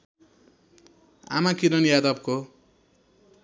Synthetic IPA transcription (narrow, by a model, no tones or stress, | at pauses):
a̰makiɾʌnjad̪ʌp̚ko